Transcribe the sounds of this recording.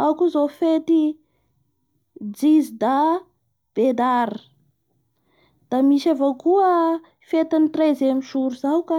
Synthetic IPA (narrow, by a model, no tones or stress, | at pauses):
awkuzofet̪i | d͡zizid̪a | b̥ed̪aɾə | d̪̥amiʃavokuə | fet̪anit̪rezemiʃuɾuzawka